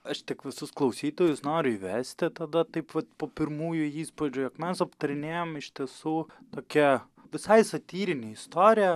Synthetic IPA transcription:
ɐʃt̪ʲɪkʋʲɪsʊsklˠɐʊsʲiːt̪oːjʊsnoːɾʲʊiʋʲæːsʲt̪ʲɪt̪ɐd̪ɐt̪ɐɪpʋɐt̪poːpʲɪɾmuːjʊiːspod͡ʒʲʊjɛkmʲɛsɐpt̪ɐɾʲɪnʲeːjomɪʃʲt̪ʲiɛsuːt̪oːkʲɛ | ʋʲɪsɐɪsɐt̪ʲiːɾʲɪnʲeɪst̪oːɾʲɪjɛ

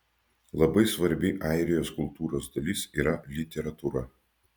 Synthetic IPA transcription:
lˠɐbɐɪsʋɐɾʲbʲɪʔɑˑɪɾʲɪjoːskʊlˠt̪uːɾoːsd̪ɐlʲɪsiːɾɐlʲɪt̪ʲɛɾɐt̪uɾɐ

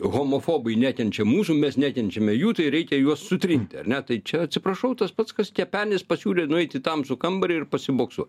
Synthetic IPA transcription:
ɣoːmoːfoːbɐɪnʲæːtʲɛnʲt͡ʃʲɛmuːsuːmʲɛsnʲæːkʲɛnʲt͡ʃʲɛmʲɛjuːt̪ɐɪɾʲɛɪkʲɛjuɔssʊt̪ʲɾʲɪnʲt̪ʲɪɐ̰rnʲɛt̪ɐɪt͡ʃʲɛɐtʲsʲɪpɾɐʃɐʊt̪ɐspɑt̪skɐskʲɛpʲæːnʲɪspɐsʲuːlʲeːnʊɛɪt̪ʲɪt̪ɐmsʊkɐmbɐɾʲɛɪrpɐsʲɪboːksṵ

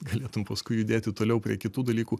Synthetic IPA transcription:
ɡɐlʲeːt̪ʊmpɐskʊɪjʊd̪ʲeːt̪ʲɪt̪oːlʲɛʊpʲɾʲiɛkʲɪt̪uːd̪ɐlʲiːkuː

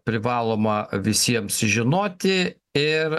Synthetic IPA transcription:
pʲɾʲɪʋɑːlˠoːmɐʋʲɪsʲiɛmsʒʲɪnoːt̪ʲɪ | ɪɾ

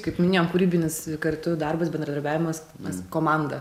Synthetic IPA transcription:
kɐɪpmʲɪnʲeːjoːmkuɾʲiːbʲɪnʲɪskɐɾt̪ʊd̪ɐɾbɐsbʲɛnd̪ɾɐd̪ɐɾbʲæːʋʲɪmɐs | ɐskoːmɑnd̪ɐ

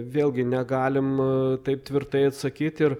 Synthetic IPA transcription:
ʋʲeːlʲˠɡʲɪnʲɛɡɑːlʲɪmt̪ɐɪp̚t̪ʲʋʲɪɾt̪ɐɪɐt̪sɐkʲiːt̪ɪɾ

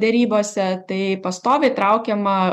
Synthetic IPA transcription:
d̪ʲɛɾʲiːboːsʲɛt̪ɐɪpɐst̪oːʋʲɛɪt̪ɾɐʊkʲɛmɐ

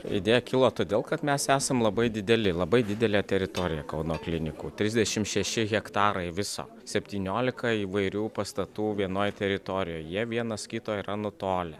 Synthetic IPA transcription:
ɪ̰dʲeːjɛkʲɪlˠoːt̪oːd̪ʲeːlˠkɐt̪mʲɛsæːsɐmlˠɐbɐɪd̪ʲɪd̪ʲɛlʲɪlˠɐbɐɪd̪ʲɪd̪ʲɛlʲæːt̪ʲɛɾʲɪt̪oːɾʲɪjɛkɐʊnoːklʲɪnʲɪkuːt̪ʲɾʲɪzʲd̪ʲɛʃʲɪmʃʲɛʃʲɪɣʲɛkt̪ɑːɾɐɪʋʲɪso̰ː | sʲɛpʲt̪ʲiːnʲoːlʲɪkɐiːʋɐɪɾʲuːpɐst̪ɐt̪uːʋʲiɛnoːjt̪ʲɛɾʲɪt̪oːɾʲɪjoːjjiɛʋʲiɛnɐskʲɪt̪oːiːɾɐnʊt̪oːlʲɛ

